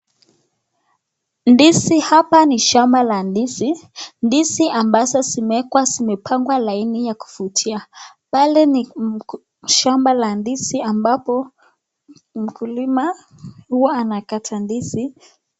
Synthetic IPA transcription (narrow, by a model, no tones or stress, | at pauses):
ndisihapaniʃambalandisindisiʔambazɔsimɛkwasimɛpʰaŋɡwalainijaku̥futʰia | palɛni | ʃambalandisiambapɔ | m̩kʰulima | huɔanakatʰandisi